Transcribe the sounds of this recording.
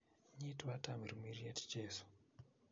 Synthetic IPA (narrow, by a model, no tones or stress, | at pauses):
ɲitiwatamiɾimirijati̥d͡ʒeːsu̥